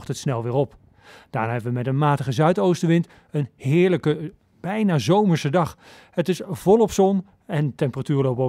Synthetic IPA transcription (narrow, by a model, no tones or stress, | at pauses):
χtɦətsnɛlˠʋɪːɹɔp | d̥aːnaːɦɛbəʋəmɛtənmaːtəχəzœɥtowstəʋɪnt | ənɦɪːɹləkə | b̥ɛjnaːzowməɹsədɑχ | hətɪsv̥ɔlˠɔpsɔn | ɛntɛmpəratyːɹlowpo